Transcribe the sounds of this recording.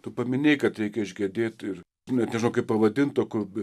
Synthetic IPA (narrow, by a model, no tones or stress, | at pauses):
t̪ʊpɐmʲɪnʲeːɪkɐt̪ɾʲɛɪkʲɛɪʒʲɡʲɛd̪ʲeːt̪ɪr | nʲɛtnʲɛʒɪnɐʊkɐɪppɐʋɐd̪ʲɪnt̪toːkʊ